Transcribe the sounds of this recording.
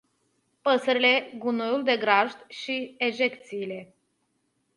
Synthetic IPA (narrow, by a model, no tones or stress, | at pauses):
pəsəɾile̞ɡunojuld̪e̞ɡɾaʒd̪ʃieʒe̞kt̪siːle̞